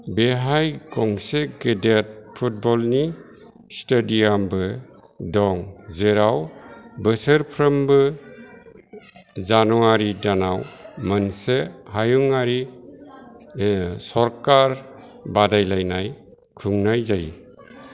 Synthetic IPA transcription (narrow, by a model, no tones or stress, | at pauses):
beɦajɡɔŋseɡedet̚pʰut̚bɔlni | stediambɯ | dɔŋzeɾawbəsəɾpʰɾɯmbɯ | zanuaɾidanawmənsehajuŋaɾi | sɔɾkaɾ | badajlajnaj | kʰuŋnajzaji